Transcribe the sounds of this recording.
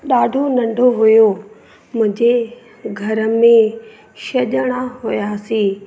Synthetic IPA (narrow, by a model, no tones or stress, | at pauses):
ɗaːɖʱonɐ̃ɳɖʱoɦʊjo | mʊ̃ɦɪ̃ɲd͡ʑe | ɡʱɐɾə̆mẽ | ʃɐʄəɽ̃aɦʊjaːsiː